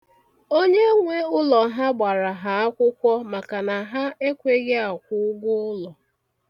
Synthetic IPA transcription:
o˦ɲe˦ŋʷe˦ʊ˦lɔ˨ɦa˦ɡ͡ba˨ɾa˨ɦa˨a˦kʷʊ˦kʷɔ˦ma˨ka˨na˨ɦa˦e˦kʷe˦ɣe˦a˨kʷʊ˦ʊ˦ɡʊ˦ʊ˦lɔ˨

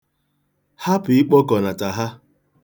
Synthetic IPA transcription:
ha˦pʊ˨ɪ˦k͡pɔ˦kɔ˨na˨ta˨ɦa˦

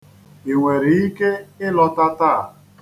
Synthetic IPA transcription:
i˨ŋʷe˨ɾi˨i˦ke˦ɪ˦lɔ˦ta˦ta˦˨

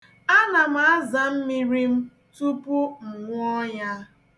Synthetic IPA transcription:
a˦na˨m̩˦a˦za˨m̩˦mi˦ɾi˦m̩˦ | tu˦pʊ˦ŋ̩˨ŋʷ˦ɔ˦ja˦

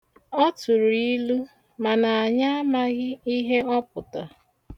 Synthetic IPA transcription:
ɔ˦tʊ˨ɾu˨i˦lu˦ | ma˨na˨a˨ɲa˦a˦ma˦ɣɪ˦i˦ɦe˦ɔ˦pʊ˨ta˨

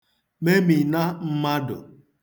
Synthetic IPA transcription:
me˦mi˨na˦m̩˦ma˦dʊ̰˨

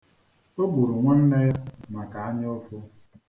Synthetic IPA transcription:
o˦ɡu˨ɾu˨ŋʷa˦n̩˦ne˦ja˦ma˨ka˨a˦ɲɪ˦o˦fʊ˦

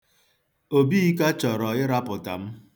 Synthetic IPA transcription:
o˨bi˦i˦ka˦t͡ʃɔ˨ɾɔ˨ɪ˦ɾa˦pʊ˨ta̰˨m̩˦

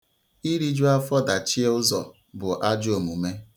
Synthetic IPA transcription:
i˦ɾi˦d͡ʒu˦a˦fɔ˦da˨t͡ʃi˦e˦ʊ˦zɔ̰˨ | bʊ˨ʔa˦d͡ʒo˨mu˨me˦

